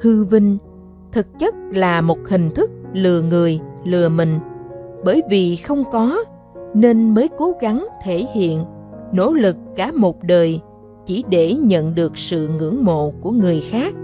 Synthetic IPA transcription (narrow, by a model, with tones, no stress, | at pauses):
hɨ˧vi˧ŋ̟ | t̪ʰɨ˨˩k̚t͡ɕə˦˥t̚laː˨˩mo˨˩t̚hï˨˩ŋ̟t̪ʰɨ˦˥k̚lɨ˨˩əŋɨ˨˩əjlɨ˨˩əmï˨˩ŋ̟ɓəː˧˩jvi˨˩xə˧wŋ͡mkɔ˨˦ | ne˧nməː˨˦jko˨˦ɣa˨˦ŋt̪ʰe˧˩hḭ˧˨ənno̰˧˥lɨ˨˩kːaː˧˩mo˨˩t̚ɗəː˨˩j | t͡ɕi˧˩ɗe˧˩ɲə̰˧˨nɗɨ˨˩ək̚sɨ̰˧˨ŋɨ̰˧˥əŋmo̰˧˨ku˧˩əŋɨ˨˩əjxaː˦˥k̚